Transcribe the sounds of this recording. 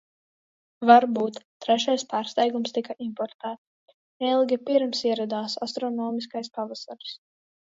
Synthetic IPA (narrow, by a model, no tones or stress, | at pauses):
vaɾbuːt̪ːɾɛʃajspaːɾst̪ɛjɡumst̪ikaʔimpɔɾt̪æːt̪ | ɛlˠɡʲipiɾmsiɛɾad̪aːsast̪ɾɔnɔːmiskajspavasaɾs